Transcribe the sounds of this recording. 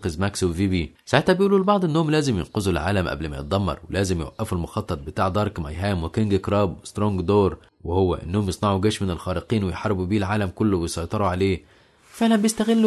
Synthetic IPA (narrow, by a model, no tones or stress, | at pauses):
qezmæksowviːbi | saʕet̪hæbjʔuːlulbɑʕd̪ˤʔenːohomlæːzemjḛnqozulʕa̰ːlæmʔæ̰blmæ̰jḛt̪̚d̪ˤɑmːɑ̰ɾˤwelæːzemjewæ̰ʔːæfulmoxɑt̪ˤːɑt̪̚ˤbet̪aːʕd̪ˤɑɾˤkma̰jɦæːmwekeŋɡkɾˤɑːbwest̪ɾoŋɡd̪oːɾ | wehowːæʔenːohomjesˤnɑʕuɡæːʃmɪnelxɑːɾeqiːnwejħɑɾˤːbubiːlʕaːlæmkolːowejsˤɑjt̪ˤɑɾuʕaleː | fæʔænæbjest̪æɣelː